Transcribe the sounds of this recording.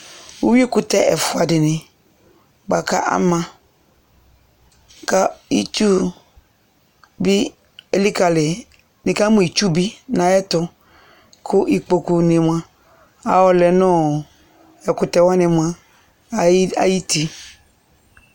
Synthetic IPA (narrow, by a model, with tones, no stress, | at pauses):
wo˦wi˦e˦kʊ˨tɛ˦ʔɛ˨fʊ˨a˨dɪ˨nɪ̃˨ | ba˨ka̰˦ʔa̰˦mã˨ | ka˦i˦t͡ʃu˦ | bi˦ | e˨li˦ka˨lɪ˨ | nɪ˨ka˦mũ˦i˨t͡ʃu˦bi˦nã˨ɛ˦tʊ˨ | kʰʊ˦ʔi˨k͡po˨ku˨ne˨m˨ã˨ | a˨wɔ˨lɛ˨nɔ̃˦ | ɛ˨kʊ˨tɛ˨wa˦nɪ˨m˨ã˨˦ | a̰˨ji˦ti˨